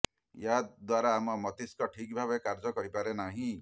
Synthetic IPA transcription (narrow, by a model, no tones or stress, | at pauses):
jad̪waɾaːmɔmɔt̪iskɔʈʰikbʱabekaɾd͡ʒɔkɔɾipaɾenaɦĩ